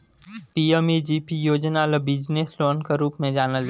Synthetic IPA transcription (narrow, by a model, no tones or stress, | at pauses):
piemid͡ʒiːpijoːd͡ʒnalebɪd͡ʒnesloːnkeɾuːpmẽd͡ʒaːnəl